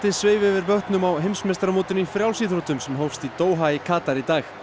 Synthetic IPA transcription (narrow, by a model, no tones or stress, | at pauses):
t̪ɪsvɪːvɪvɪɾpœht̪nʏmawɦejmsmejst̪ɾamoːt̪ʏnifɾjawlsiθɾot̪ʏmsɛmɦowfst̪it̪oːwɦaikʰaːt̪aɾit̪aːx